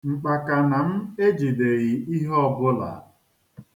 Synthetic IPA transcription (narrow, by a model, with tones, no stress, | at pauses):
ŋ͡m̩˨k͡pa˨ka˨na˨m̩˦e˦d͡ʒi˨de˨ɣi˨i˦ɦɔ˦bʊ˦la̰˨˦